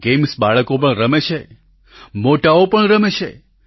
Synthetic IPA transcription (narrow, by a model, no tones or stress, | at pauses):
ɡemsbaɭəkop̬əɳɾəmet͡ʃʰe | moʈaopəɳɾəmet͡ʃʰe